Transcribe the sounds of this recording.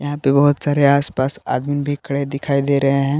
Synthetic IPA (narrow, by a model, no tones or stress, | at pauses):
jɐɦãpebɐɦʊt̪saːɾeaːspaːsa̰ːd̪mimbʱikɽed̪ɪkʰaːid̪eːɾɐɦeɦɛ̃ː